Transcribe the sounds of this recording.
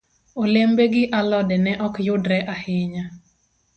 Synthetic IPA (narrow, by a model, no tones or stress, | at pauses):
olembeɡɪʔalɔdɛnɛʔɔkjʊdɾɛʔahɪɲa